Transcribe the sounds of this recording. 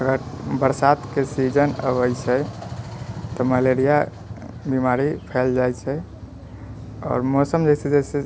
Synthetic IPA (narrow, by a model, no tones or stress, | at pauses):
əɡəɾbəɾsat̪kesid͡ʒənə̰bəjt͡ʃʰɛ | t̪ɔməleɾija | bimaɾipʰɛld͡ʒajt͡ʃʰɛ | ɔ̰ːɾmosəmd͡ʒɛjsed͡ʒɛse